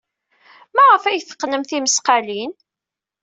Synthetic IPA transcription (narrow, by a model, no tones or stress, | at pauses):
mæʁəfæjθə̥qːnəmθiməsqalin